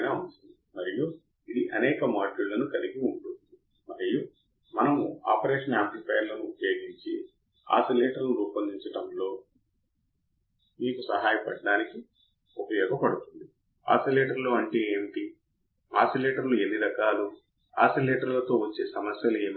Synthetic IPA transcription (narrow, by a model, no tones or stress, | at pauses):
naːunʈund̪imɐɾiju | id̪iʔɐnɛːkɐmaːɖulːɐnukɐliɡiuɳʈund̪i | mɐɾiju | mɐnɐmua̰ːpɐɾeːʂɐnaːmplipɐjɾlɐnuːpɐjo̞ːɡiɲt͡ʃḭ | a̰ːsileːʈɐɾnuuːpɐnd̪iɲt͡ʃɐʈɐmlo̞ː | miːkusɐ̰ɦaːjɐpɐɖːaːniki | upɐjɔːɡɐpɐɽut̪und̪i | a̰ːsileːʈɐɾloːɐɳʈeːeːmiʈi | a̰ːsileːʈɐɾluenːiɾɐkaːlu | a̰ːsileːʈɐɾlɐt̪o̞ːʋɐt͡ʃːe̞ːsɐmɐsjɐleːm